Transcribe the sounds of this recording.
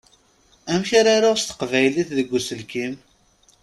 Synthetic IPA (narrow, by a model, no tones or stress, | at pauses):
æmçaɾaɾʊʁst̪ə̥qvæjliθðəɡʷːusəlkim